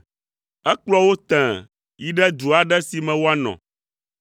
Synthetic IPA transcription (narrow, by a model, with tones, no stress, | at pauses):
ɛ˦k͡plɔ˦wo˦t̪ɛ̃˨ | ji˦ɖɛ˦d̪u˨a˨ɖɛ˦si˨mɛ̃˨wo˦a˦nɔ̰̃˨